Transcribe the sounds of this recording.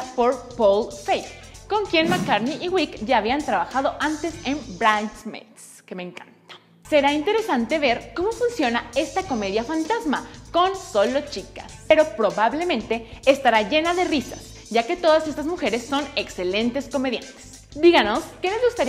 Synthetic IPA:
po̞ɾpolfejfko̞ŋkje̞nmakaɾniʔːɣwikʝaːβiant̪ɾaβaxað̞o̞ʔant̪e̞se̞mbɾansmḛt̪s | keme̞ŋkant̪ḁ | se̞ɾaint̪e̞ɾe̞sant̪e̞βe̞ɾko̞mo̞funsjo̞nae̞st̪ako̞me̞ðjafant̪azmako̞nso̞lo̞t͡ʃikaspeɾo̞pɾo̞βaβle̞mẽ̞nt̪e̞ːst̪aɾaʝe̞naðe̞risa̰s | ʝake̞t̪o̞ðase̞st̪azmuxe̞ɾe̞sːo̞ne̞kse̞le̞nt̪e̞sko̞me̞ðjant̪e̥s | d̪iɣano̞skelezɣust̪aɾ

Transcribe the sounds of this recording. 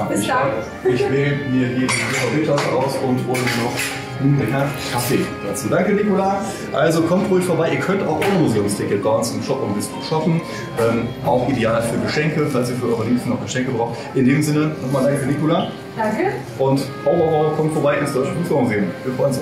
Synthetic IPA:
a | ɪçveːmiːɐɦiːdideːfaʊbeːkl̥asəʁaʊsʊntv̥olənɔχ | uɡəkʰɛfkʰafeːkʰat͡siːdaŋkənikola | ʔalzokʰɔmtʁuːɪçfoːɐbaɪʔiːɐkʰœnta̰ʊxʔɔʏʁəmuzeːʊmstʰɪkət̚b̥aɪʔʊnsɪmʃɔpmvɪstuːʃafn̩ | ʔɛːmʔaʊxʔideaːlfyːɐɡəʃɛŋkəfalsiːɐfyːɐʔɔʏʁəliːpstn̩ɔχɡ̥əʃɛŋkəbʁaʊxt | ʔɪndeːmzɪnənɔχmaːldaŋkənikʊla | d̥aŋkə | ʔʊntʔoʊvɐʁoɐkʰɔmtfoɐbaɪɪnsd̥ɔʏt͡ʃəmusoʊmzeːnviːɐfʁɔʏns

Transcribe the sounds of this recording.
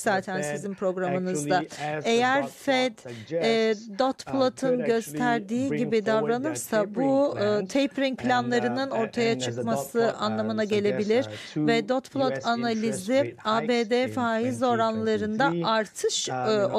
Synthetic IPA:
z̥aːt̪ʰænsizinpʰɾo̞ɡɾamɯnɯzd̪ae̞jæɾfɛd̪ | d̪ot̪plˠot̪ʰɯnɟø̞st̪ʰæɾd̪iːɟibid̪avɾanɯɾsabut̪ʰejpʰɾiŋpʰlʲanlˠaɾɯnɯno̞ɾt̪ʰajat͡ʃʰɯkmasɯʔanlˠamɯnaɟe̞lʲe̞bilʲiɾvɛd̪ot̪pʰlˠot̪ʰanalʲizɪaːbeːd̪efaːizo̞ɾanlˠaɾɯnd̪aaɾt̪ʰɯʃo

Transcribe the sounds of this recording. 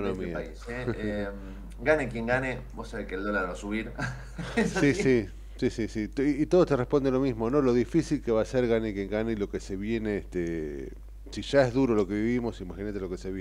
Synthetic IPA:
onomiaiseem | ɡanekjeŋɡanebosaβehkeld̪olaɾβasuβiɾ | sisi | sisisit̪iːt̪o̞ð̞ot̪erehpo̞nd̪enlo̞mizmo̞no̞lo̞ðifisilkeβaseɾɣanekje̞ŋɡanelo̞keseβje̞neːst̪e | siʒaeɦðuɾo̞lo̞ke̞βiβimo̞simaxinat̪elo̞keseβj

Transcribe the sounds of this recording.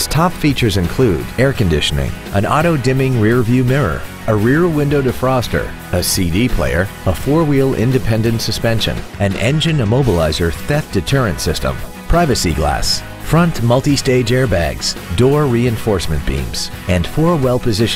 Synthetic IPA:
stʰɑpfit͡ʃə˞zɨ̃nkʰl̥uɾɛɹkɨ̃ndɪʃɨnɪ̰̃ŋʔə̃nɑ̰ɾoʊdɪ̃mɪ̃ŋɹɪɹvjʉmɪɹə̰˞ | əɹɪɹwɪ̃ndoʊɾɨfɹɔstə̰˞ | ɨsidipʰl̥ḛɪə̰˞əfɔɹwilˠɪ̰̃ndɨpʰɛ̃ndɨ̃ntsɨspɛ̃nʃɨ̰̃n | ɨ̃nɛ̰̃nd͡ʒɨ̃nəmoʊbəla̰ɪzə˞θɛfd̥ɨtʰɜ˞ɨ̃ntsɪstə̰̃mpʰɹ̥aɪvɨsiɡlæ̰s | fɹʌ̃ntmʌlˠtisteɪd͡ʒɛɹbæ̰ɡz̥dɔɹɹiɨ̃ɱfɔɹsmɨ̃nb̥ḭ̃mz̥ɨ̃nfɔɹwɛlˠpʰɨzɪʃ

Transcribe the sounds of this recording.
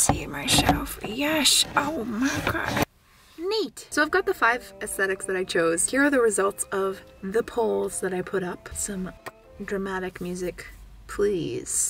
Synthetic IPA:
siɨmaɪʃoʊfəjɛʃoʊmakʰɑ̰ | nitsoʊaɪvɡɑt̪̚ðəfaɪvɨsθɛɾɨksðɨɾaɪt͡ʃʰoʊz̥hiɹə˞ðɨɹɨzʌlˠtsʌvðɨpʰoʊlˠzðɨɾaɪpʰʊɾʌpsʌ̃m | dɹɨmæɾɨkmjʉzɨk | pʰl̥iz̥

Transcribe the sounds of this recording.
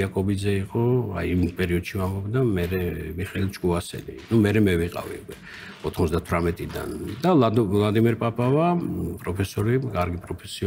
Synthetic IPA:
akʼɔbid̪zɛiqʼɔa̰jvit̪ʰpʼɛɾiɔd̪̥ʃivambɔbd̪amɛɾɛmiχɛlit͡ʃʼkʼuasɛ̰lḭnumɛɾɛmɛviqʼa̰vḭukʼwɛ | ɔt̪ʰχmɔzd̪at̪ʰvɾamɛt̪ʼid̪a̰nd̪alˠad̪imɛɾpʼapʼavapʼɾɔpʰɛsɔɾikʼaɾɡipʼɾɔpʰɛsiɔ

